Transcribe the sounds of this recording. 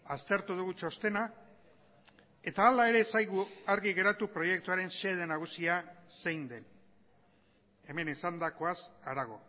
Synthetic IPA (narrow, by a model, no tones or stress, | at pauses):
ast̪e̞ɾt̪uðuɣut͡ʃo̞st̪e̞na | e̞t̪aːlae̞ɾe̞sajɣuaɾɣiɣe̞ɾat̪upɾo̞je̞kt̪uaɾe̞nse̞ð̞e̞naɣ̞usiase̞jnd̪e̞n | e̞me̞nisand̪ako̞asaɾaɣ̞o̞̰